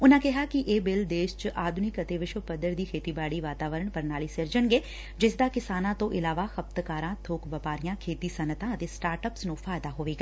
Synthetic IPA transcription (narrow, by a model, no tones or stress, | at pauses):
ʊnãːkɛɦaːkɪʔeːbɪld̪eːʃt͡ʃʔaːd̪ʱʊnɪkət̪eːʋɪʃʋəpəd̪əɾd̪iːkʰeːt̪iːbaːɽiːʋaːt̪aːʋəɾəɳpəɾnaːliːsɪɾd͡ʒənɡeː | d͡ʒɪsd̪aːkɪsaːnãːt̪õːʔɪlaːʋaːxəp̚t̪kaːɾãːt̪ʰoːkʋəpaːɾijãːkʰeːt̪iːsənət̪ãːət̪eːsʈaːɾʈəpsnũːfʰaːjd̪aːɦoːʋeːɡaː